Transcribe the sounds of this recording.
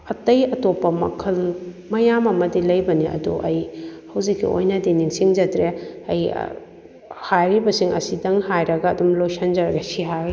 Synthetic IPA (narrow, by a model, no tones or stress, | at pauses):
ɐtɐjɐtopːɐmɐ̰kʰɐl | mɐjamɐmɐdilɐjbɐniɐ̰duʔɐjhɐwzikʰːḭo̰jnɐdiniŋsiŋd͡ʒɐtɾeɐj̰ | hajɾibɐsiŋɐ̰sidɐŋhajɾɐɡɐːdumlojsʰɐnd͡ʒɐɾɐɡɐsiɦai